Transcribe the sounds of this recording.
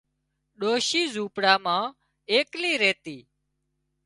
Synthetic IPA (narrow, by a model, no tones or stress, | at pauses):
ɗoːʃiːzuːpɽaːmãː | eːkliːɾeːt̪iː